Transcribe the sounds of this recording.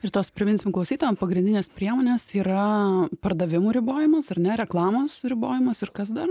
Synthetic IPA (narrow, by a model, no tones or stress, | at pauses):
ɪrt̪oːspʲɾʲɪmʲɪnʲsʲɪmklˠɐʊsʲiːt̪oːʋɛmpɐɡɾʲɪnʲd̪ʲɪnʲeːspʲɾʲiɛmoːnʲeːsiːɾɐpɐrd̪ɐʋʲɪmuːɾʲɪboːjɪmɐsɐɾnʲɛɾʲɛklˠɑːmoːsɾʲɪboːjɪmɐsɪrkɐs̬d̪ɐr